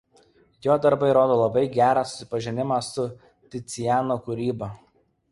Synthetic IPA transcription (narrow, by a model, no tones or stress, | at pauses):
joːd̪ɐɾbɐɪɾoːd̪oːlˠɐbɐɪɡʲæːɾɑsʊ̥sʲɪ̥pɐʒʲɪnʲɪmɑsʊ | t̪ʲɪt̪sʲɪjæːnoːkʊɾʲiːbɐ